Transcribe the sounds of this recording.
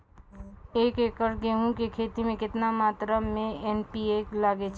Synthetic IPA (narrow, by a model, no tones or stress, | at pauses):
eːkeːkəɾɡeːɦũkekʰeːt̪imẽkɪt̪namaːt̪ɾamẽenpieklaːɡet͡ʃʰ